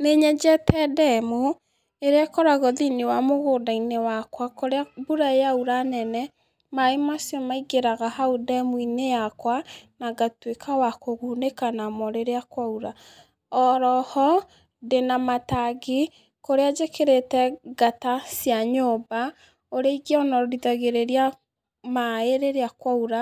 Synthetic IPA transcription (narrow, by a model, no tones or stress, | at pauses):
neɲɛd͡ʒɛtɛdɛmo | eɾeakɔɾaɣɔðinewamoɣoːdainewakwakoɾeabuɾajauɾanɛnɛ | maemasjɔmaiɡeɾaɣahaudɛmuinejakwanaɡatwekʰawakoɣunekanamɔɾeɾeakwauɾa | ɔɾɔhɔ | denamataɡi | koɾead͡ʒekeɾetɛɡatasjaɲoba | oɾeiɡeɔnɔɾɾiðaɣeɾeɾia | maeɾeɾeakwauɾa